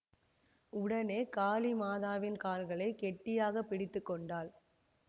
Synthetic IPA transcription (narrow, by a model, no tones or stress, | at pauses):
ʊɽɐneːkaːlimaːðaːʋɪnkaːlɣɐɭɐɪkɛʈːɪjaːɣɐpːɪɽɪt̪ːɯkːɔɳɖaːl